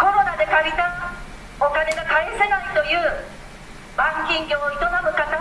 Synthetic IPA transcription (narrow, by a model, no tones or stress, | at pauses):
ko̞ɾo̞nad̪e̞kabʲit̪a | okane̞ɡakaisenait̪o̞jɯ̟ː | bãŋkʲĩŋɡʲo̞ːit̪omamokat̪ːa